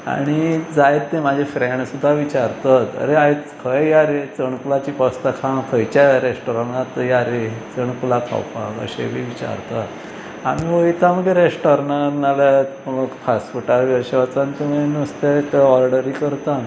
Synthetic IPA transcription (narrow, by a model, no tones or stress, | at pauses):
a̰ɽ̃id͡zajet̪ːẽmad͡ʑʱefɾeɳɖsud̪ʱːaʋit͡ɕaɾt̪at̪ə̰ɾeajt͡skʰəjjaɾet͡səɳkulat͡ɕiːpəst̪akʰankʰəjt͡ɕaɾesʈɔɾanat̪əjaɾet͡səɳkulakʰa̰wpa̰kə̰ɕḛbʱiʋit͡ɕa̰ɾt̪at̪ | a̰miɦoit̪ʰaməɡeɾesʈɔɾnanaləməɡfʰasfuʈalʋəɾɕəʋat͡sãnt̪umenəst̪ek̪ɔɾɖəɾiːkəɾt̪ãn